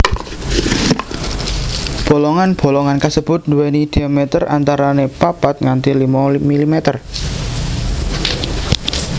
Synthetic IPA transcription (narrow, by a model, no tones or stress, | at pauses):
b̥o̤lɔŋanb̥o̤lɔŋankasəb̥ʊt̪̚nd̪uwenid̪̥iamet̪ərʔa̰nt̪aɾanepapat̪̚ŋant̪ilimamilimet̪ər